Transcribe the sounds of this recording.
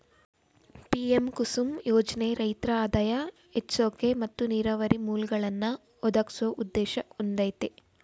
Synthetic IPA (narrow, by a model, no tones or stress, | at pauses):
piemkusumjoːd͡ʒɐneɾɐjt̪ɾɐaːd̪aːjɐ | et͡ʃsoːkemɐt̪ːuniːɾɐʋɐɾimuːlɡɐɭɐnːɐ | ɔd̪ɐksɐʔud̪ːɛːʃɐond̪ɐjt̪e